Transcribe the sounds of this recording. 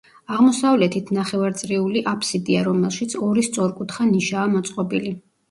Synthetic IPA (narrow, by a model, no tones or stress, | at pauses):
aʁmɔsavlɛt̪ʰit̪ʰnaχɛvaɾt̪sʼɾiuliʔapʰsid̪iaɾɔmɛlˠʃit̪sʰɔɾist̪sʼɔɾkʼut̪ʰχaniʃaːmɔt̪sʼqʼɔbili